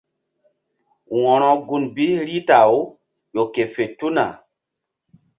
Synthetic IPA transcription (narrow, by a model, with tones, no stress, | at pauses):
wɔ̃˨ɾɔ˨ɡu˨nbi˦ɾi˦ta˨o˦ | jo˨ke˨fe˨tu˦na̰˨